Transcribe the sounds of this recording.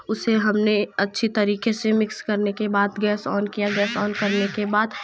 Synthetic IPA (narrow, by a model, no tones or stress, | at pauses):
ʊseɦɐmneɐtːʃʰit̪ɐɾiːkesemɪkskɐɾnekebaːd̪ɡɛːsɔːnkijaɡɛːsɔːnkɐɾnekebaːd̪